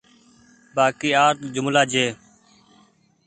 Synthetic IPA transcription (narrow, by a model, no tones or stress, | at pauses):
baːkiːaːɾt̪d͡ʒʊmlaːd͡ʒeː